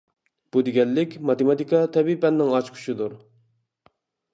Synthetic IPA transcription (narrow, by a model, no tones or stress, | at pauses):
b̥ud̪ɪɡʲɛlːɪkʲmɑt̪emɑt̪ikɑt̪ʰɛbipɛnːɪŋɑt͡ʃkʰy̥ʃid̪uɾ